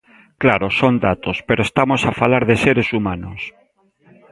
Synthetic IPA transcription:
klaɾosond̪at̪ospeɾoest̪amosafalaɾðeseɾesumanos

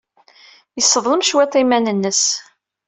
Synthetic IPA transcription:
jəsːəðˤləmʃwæt̪ˤːimænənːəs

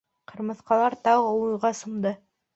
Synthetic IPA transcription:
qʰɤ̆ɾmɤ̆θqɑlˠɑɾt̪ɑwɤuɤ̆jʁɑsɤ̆md̪ɤ

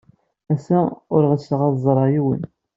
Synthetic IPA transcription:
æsæʊɾʁəsːəʁɑðzˤɾˤɑjiwə̰n

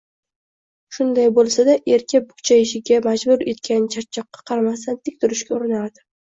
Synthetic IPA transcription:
ʃʊnd̪ajbolˠsad̪aʔe̞ɾkʲʰabʊkʲt͡ʃʰaɪʃɪɡʲamad͡ʒbʊɾe̞t̪kʲant͡ʃʰat̪̚t͡ʃʰːɒqːɑ̥qʰɑɾamast̪ʰant̪ʰɪkʲt̪ʰʊɾɪʃkʲaʊɾɪnaɾd̪ɪ̥

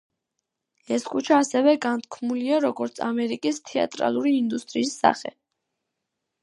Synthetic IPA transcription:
ɛskʰʼut͡ʃʰaːsɛvɛɡant̪̚ʰkʰmuliaɾɔɡɔɾt̪sʰa̰mɛɾikʼist̪ʰɛa̰t̪ʼɾa̰lˠuɾiːnd̪ust̪ʼɾiːsːa̰χɛ̰

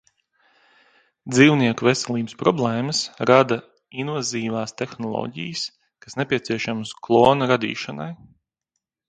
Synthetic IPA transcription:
d̪ziːwniɛkuvesɛlˠiːbɪspɾɔblˠɛːməsɾad̪a | invaziːvaːst̪exnɔlˠɔ̰ːɟḭjəs | kasnepʲiɛt̪siɛʃamsklˠɔːnɐɾad̪ḭːʃana̰j

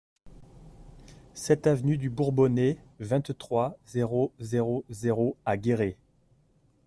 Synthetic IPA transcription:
sɛt̪avnyd̪ybuʁbɔnɛvɛ̃t̪t̪χwazeʁozeʁozeʁoaɡʲeʁe

